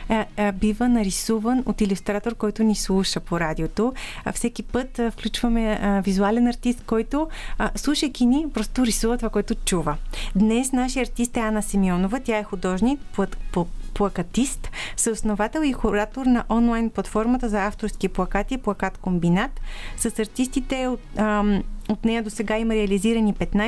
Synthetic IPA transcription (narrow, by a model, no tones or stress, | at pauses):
bivənɐɾisuvənot̪ilʲust̪ɾat̪oɾkɔjt̪ʊnislˠuʃəpoɾad̪ʲiot̪ofsɛkʲipɤt̪fklʲut͡ʃvɐmɛvizualɛnɐɾt̪ist̪kɔjt̪oslˠuʃəjkʲinipɾɔst̪oɾisuvət̪ovakoɛt̪ʊt͡ʃuvəd̪nɛsnaʃijɐɾt̪ist̪ɛanɐsimiɔnovət̪ʲaɛxʊd̪ɔʒnikppplˠɐkɐt̪ist̪sɐosnovat̪ɛlˠixʊɾat̪oɾnɐʔɔnlˠajnplˠɐt̪fɔɾmɐt̪əzɐaft̪oɾskiplˠɐkat̪iplˠɐkat̪kombinat̪sɐsɐɾt̪ist̪it̪ɛ | ot̪nɛjəd̪osɛɡaimɐɾɛɐliziɾɐnipɛt̪na